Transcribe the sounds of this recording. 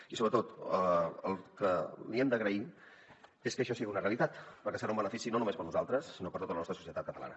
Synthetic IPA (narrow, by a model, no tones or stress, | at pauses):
isoβɾət̪ot̪əə̰lˠkəliemd̪əɣɾəi | eskəʃɔsiɣiunəreəlit̪at̪pəɾkɛsəɾaumbənəfisinonumespəɾnuzalˠt̪ɾəsːinopəɾt̪ot̪ələnɔst̪əsusiət̪at̪kət̪əla̰nə